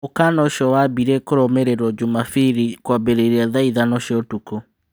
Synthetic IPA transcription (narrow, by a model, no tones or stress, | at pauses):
okanɔʃjɔwabiɾekoɾɔmeɾeɾwɔd͡ʒomafiɾikwabeɾeɾiaðaiðanɔʃjɔtuko